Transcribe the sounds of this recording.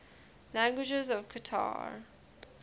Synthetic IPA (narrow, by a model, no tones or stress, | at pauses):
læ̃ŋɡwɪd͡ʒəzɔv̥kʰətʰa̰ɹ